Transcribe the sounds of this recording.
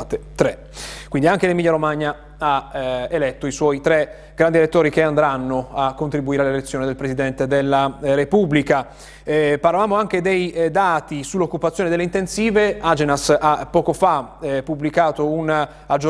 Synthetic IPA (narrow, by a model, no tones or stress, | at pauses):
t̪et̪ɾɛ | kwind̪iaŋkelemilːjːaɾomaɲːa | aelɛt̪ːoiswɔjt̪ɾɛ | ɡ̥ɾand̪ielet̪ːoːɾikeand̪ɾanːoakːont̪ɾibuiːɾealːelet̪sːjoːned̪elpɾesid̪ɛnt̪ed̪elːaɾepublika | paɾlavaːmoaŋk̟ed̪ejd̪aːt̪isulːokːupat̪sːjoːned̪elːeint̪ensiːvead͡ʒenasapːɔːkofapːublikaːt̪ouna | ad͡ʒo